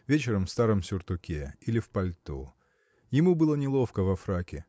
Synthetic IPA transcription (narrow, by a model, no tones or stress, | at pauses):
vʲet͡ɕɪɾəmfst̪aɾəmsʲʊrt̪ʊkʲeilʲɪfpɐlʲt̪ṵ | jɪmubɨlˠənʲɪlˠo̞fkəvɐfɾakʲɪ